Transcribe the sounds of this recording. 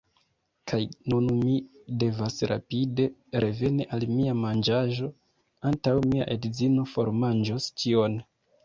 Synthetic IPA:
kʰajnunmide̞vasɾa̰pide̞ɾʔe̞ve̞niʔalmiamand͡ʒaʒo̞ | antawmia̰ʔedizino̞foɾmand͡ʒostio̞n

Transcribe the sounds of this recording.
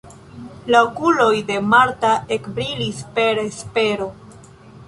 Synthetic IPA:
laokulo̞jde̞maɾtae̞kbɾilispe̞ɾespe̞ɾo̞

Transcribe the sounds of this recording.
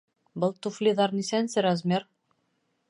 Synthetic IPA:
bɤlˠt̪uflʲiðɑɾnisænsɘɾɑzmʲer

